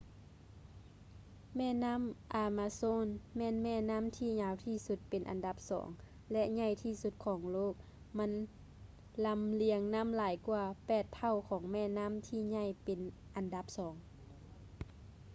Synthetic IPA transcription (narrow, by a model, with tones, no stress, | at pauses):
mɛː˧˥˨na˧˥˨mʔaː˨˧maː˧soː˧˥˨nmɛː˧˥˨nmɛː˧˩˨na˧˥˨mt̪ʰiː˧˩ɲaː˧˨wt̪ʰiː˧˩su˧t̪̚pe˨nʔa̰˨nda˧˦p̚sɔ̰ː˩˦ŋ | lɛ˧ʔɲa˧˩˨jt̪ʰiː˧˨su˧t̪̚kʰɔː˨˩˦ŋloː˥˨˩k̚ | ma˧˥˨n | la˧˥mli˧˩əŋna˧˥˨mlaː˨˦jku˧ɐpɛː˧˩t̪ʰːa˧˩˨wkʰɔː˩˦ŋmɛː˧˥˨na˧˥˨mt̪ʰiː˧˨ɲa˧˥˨jpe˨n | ʔa˨nda˧˦p̚sɔː˩˦ŋ